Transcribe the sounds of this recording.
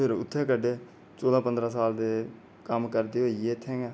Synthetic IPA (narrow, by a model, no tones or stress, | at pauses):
ɪɾʊ̰t̪ʰːeːkəɖeː | soːlãːpənd̪ɾãːs̬aːld̪eː | kəmkəɾd̪eːɦoːiet̪ʰːẽːɛː